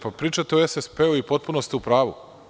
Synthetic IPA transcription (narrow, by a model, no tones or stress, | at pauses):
papɾiːt͡ʃat̪eoesespeoipo̞t̪̚punost̪iupɾaːʋṵ